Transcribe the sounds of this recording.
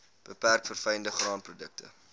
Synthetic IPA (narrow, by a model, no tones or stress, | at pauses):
b̥əpærkfərfɛjəndəχrɑːnprodək̚tə̰